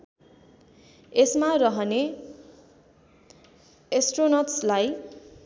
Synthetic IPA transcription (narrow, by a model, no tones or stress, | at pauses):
esmarʌɦʌne | esʈronʌtslaj